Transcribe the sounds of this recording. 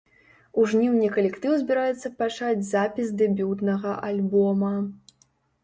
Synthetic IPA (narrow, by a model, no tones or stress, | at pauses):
uʐnʲiwnʲikɐlʲɛkt̪ɨwzʲbʲiɾajɛt̪sːɐpat͡ʂad͡zʲzapʲisd̪ɛbʲut̪nɐɣɐʔalʲbɔmɐ